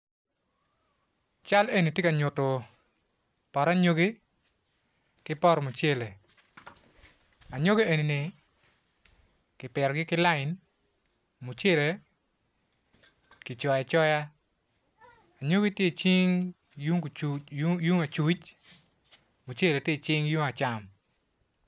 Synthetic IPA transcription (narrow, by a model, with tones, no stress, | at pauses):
t͡ʃa˦le˦ni˨tje˦ka˨ɲʊ˨tɔ˨ | pɔ˨ɾa˦ɲo˦ɡi˦ | kɪ˦pɔ˦ɾmo˨t͡ʃe˦le˨ | a˨ɲo˦ɡe˦e˨ni˨nɪ˨ | kɪ˨pɛ˨ɾɔ˨ɡɪ˦kɪ˦la˦ɪ˨n | mo˨t͡ʃe˦˨le˨ | kɪ˨t͡ʃɔ˨ja˨t͡ʃɔ˦ja˦ | a˨ɲo˦ɡi˦tje˦˨t͡ʃi˦ŋ | jŋ˨ju˦ŋa˨t͡ʃu˦t͡ʃ | mo˨t͡ʃe˦le˨tje˦i˨t͡ʃɪ˦ŋju˦ŋa˨t͡ʃa˦˨m